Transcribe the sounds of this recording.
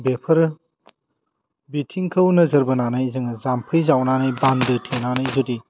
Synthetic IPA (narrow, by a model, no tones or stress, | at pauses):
bepʰɐɾ | bitʰiŋkʰəwnɐzɐɾbɐnanajzɯŋɐzampʰɯjzawnanajbandɯtʰenanajzudi